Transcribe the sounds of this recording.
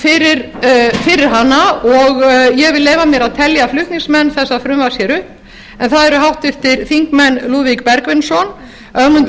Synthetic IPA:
fɪɾɪɾ | fɪɾɪɾ̥ɦanːaɔɣjɛɣvɪlːeːjvamjɛɾaðt̪ʰɛljaflʏht̪niŋsmɛnːθɛsːaðfɾʏmvḁsjɛɾʏhp | ɛnθaðɛɾʏɦawht̪ʏft̪ɪɾ̥θiŋkmɛnːluːvik̚pɛɾkvɪnsɔn | œɣmʏnt̪

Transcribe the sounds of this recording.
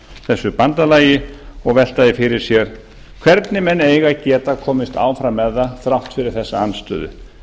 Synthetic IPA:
θɛsːʏpant̪alaːjɪɔɣvɛl̥t̪aðɪfɪɾɪɾ̥sjɛɾ̥ | kʰv̥ɛɾt̪nɪmɛneːjɣacɛːt̪akʰɔːmɪst̪a̰ːwfɾamːɛðːaθɾawht̪fɪɾɪɾ̥θɛsːaanːst̪œ̰ːðʏ̰

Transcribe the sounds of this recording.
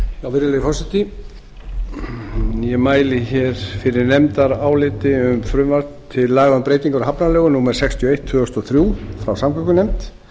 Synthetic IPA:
jawvɪɾɪlɛjfɔsat̪i | jɛmaːjlɪçɛɾ̥fɪɾɪɾnɛmt̪aɾaːwlɪt̪ɪʏmfɾʏmvaɾt̪t̪ʰːɪlːaːɣampɾeːjt̪iŋkaɾɦapnalœːɣʏnumɛɾ̥sɛkst̪ʰjɔejht̪ːfʏast̪ɔθɾjuːfɾawsamkʰœkʏnɛmt̪

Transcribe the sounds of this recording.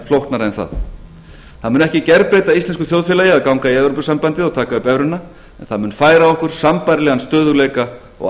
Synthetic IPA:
flowht̪naɾɛnθa̰ð | θaðmʏːnɛhcɪcɛɾpɾejt̪aist̪ɛnskʏθjowðfɪːlajɪaðkawŋkaiɛvɾop̬ʏsampant̪ɪðɔɣt̪ʰaːkaʏpɛvɾʏnːa | ɛ̰nθaðmʏːnfaːjɾaɔhkʏɾ̥sampajɾlɛɣanst̪œːðʏleːjka | ɔ̰ɣ

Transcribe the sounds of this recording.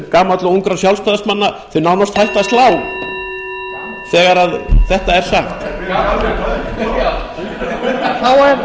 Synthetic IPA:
kaːmat̪lʏuwŋkɾasjawlspaðasmanːaθœɥnawnast̪hajlt̪ast̪laːw | θɛːɣaɾaðθɛht̪aɛɾ̥saxt̪ː | θawɛɾ

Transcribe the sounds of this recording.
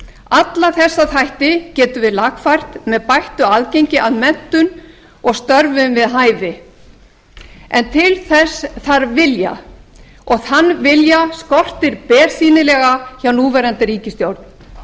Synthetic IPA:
at̪laθɛsːaθajht̪ɪcɛːt̪ʏvɪðlaɣfajr̥t̪mɛðpajht̪ʏaðcejɲcɪaðmɛn̥t̪ʏn | ɔɣst̪œɾvʏmvɪðɦaːjvɪ | ɛnt̪ʰɪlθɛsθaɾvɪlja̰ | ɔɣθanːvɪljaskɔr̥t̪ɪɾpɛːɾ̥siːnɪlɛɣaçawnuːvɛːɾant̪ɪɾiːcɪst̪jowɾt̪n̥

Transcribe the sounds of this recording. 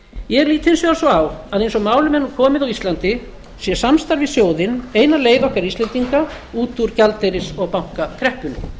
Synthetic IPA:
jɛɛɾliːt̪hɪnsʏasɔɣawaðejnsɔɣmaːwlʏmɛnːʏɾkʰɔːmɪðawist̪lant̪ɪ | sjɛsamst̪aɾvɪsjoːwðɪnejnaleːjðɔhkaɾist̪ɛnt̪iŋka | uːt̪uɾcalt̪ejɾɪsɔɣpawŋ̥kakʰɾɛhpʏnʏ̰

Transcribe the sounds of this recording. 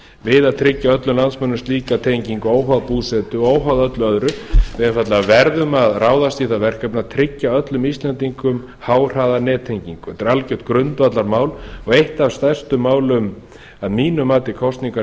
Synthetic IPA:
vɪðaðt̪ʰɾɪcːaœt̪lʏmlansmœnːʏst̪liːkat̪ʰejɲciŋkoːwɦaðpuːsɛt̪ʏoːwɦaðœt̪lʏœðɾʏvɪðɪnfat̪laɣavɛɾðʏmaðrʔaːwðast̪iθaðvɛr̥kɛpnaðt̪ʰɾɪcːaœt̪lʏmist̪lɛnt̪iŋkʏm | haːwr̥aːðanɛːt̪ʰejɲciŋkɛt̪ɪɾalcœht̪̚kɾʏnt̪vat̪laɾmaːwlɔɣejht̪avst̪ajr̥st̪ʏmːaːwlʏm | aðmiːnʏmaːt̪ɪkʰɔwst̪niŋka

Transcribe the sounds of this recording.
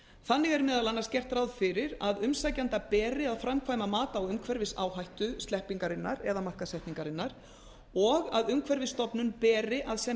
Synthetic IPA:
θanːɪɣɛɾmɪːðalanːascɛr̥t̪ɾawðfɪɾɪɾaðʏmsaːjcant̪apɛːɾɪaðfɾamkʰvaːjmamaːt̪aːwʏmkʰvɛɾvɪsa̰ːwhajht̪ʏst̪lɛhpiŋkaɾɪnːaɾɛðamar̥kasɛjht̪niŋkaɾɪnːaɾ̥ | ɔɣaðʏmkʰvɛɾvɪst̪ɔpnʏnpɛːrɪʔaðsɛ

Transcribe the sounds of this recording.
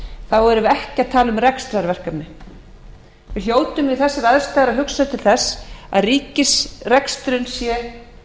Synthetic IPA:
θawɛɾʏvɛhcɪaðt̪ʰaːlʏmrɛkst̪ɾaɾvɛr̥kanɪ | vɪljoːwt̪ʏmvɪðθɛsːɪɾaðst̪ajɣaɾaðɦʏksaðɪt̪ʰɪlθɛsːa̰ðriːcɪsrɛkst̪ɾʏnsjɛ

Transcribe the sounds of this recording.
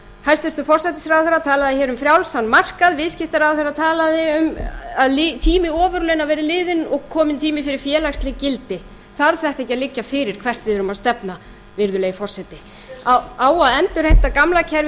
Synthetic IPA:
hajst̪ɛst̪ʏfɔr̥sɛjt̪ɪsɾawθɛɾːat̪ʰaːlaðɪçɛːɾʏmfɾjawlsanːmar̥kaðvɪðscɪht̪aɾawθɛɾːat̪ʰaːlaðɪʏmaðlɪt̪ʰiːmɪɔːvʏɾlɛnavɛːɾɪlɪːðɪnɔɣkʰɔːmɪnt̪ʰiːmɪfɪɾɪɾ̥fjɛːlakst̪lɪɣcɪlt̪ɪ | θaɾ̥θɛht̪ɛhcːaðlɪcːafɪɾɪɾ̥kʰv̥ɛr̥t̪vɪðɛɾʏmaðst̪ɛpna | vɪɾðʏleːjfɔr̥sɛt̪ɪ | aaːwaðɛnt̪ʏɾ̥hɛjht̪akamlacʰɛɾ

